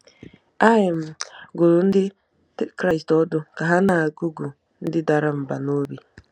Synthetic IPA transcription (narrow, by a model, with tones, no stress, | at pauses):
a˦ɪ˨m̩˨ɡo˨ɾʊ˨n̩˦dɪ˦ | tkɾa˦jstɔ˦dʊ˨ka˨ɦa˦na˨ɡu˦ɡu˨ | n̩˦dɪ˦da˨ɾa˦m̩˨ba˨no˦bi˨